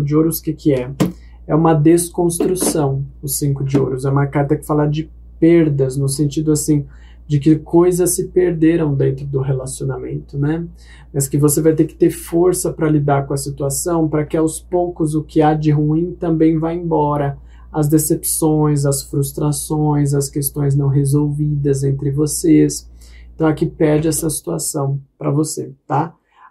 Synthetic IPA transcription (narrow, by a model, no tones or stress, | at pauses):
d͡ʒɪoɾʊskɪkʰɪɛ | ɛũmɐd̪eskõst̪ɾusɐ̃w̃ʊsĩŋkʊd͡ʒɪo̰ɾʊsɛũmɐkaɾt̪ɐkɪ̥falaɾd͡ʒɪ | peɾd̪ɐznʊs̬ẽnt͡ʃid̪ʊasĩ | d͡ʒɪkɪkojzɐsːɪpeɾd̪eɾɐ̃w̃d̪ẽnt̪ɾʊd̪ʊɦelasionamḛ̃nt̪ʊnɛ | mɐskɪvosevajt̪eɾkɪ̥t̪eɾfoɾsɐpɾɐlid̪aɾkõɐsit̪uasɐ̃w̃pɾɐkɪawspowkʊzʊkɪad͡ʒɪɦuĩt̪ɐ̃mbẽj̃vajẽbɔɾɐ | ɐzd̪esepsõj̃zɐsfɾust̪ɾasõj̃z̬ɐskest̪õj̃znɐ̃w̃ɦezowvid̪ɐzẽnt̪ɾɪvosesẽt̪ɐ̃w̃akipɛɾd͡ʒɪɛsɐsi̥t̪uasɐ̃w̃pɾɐvoset̪a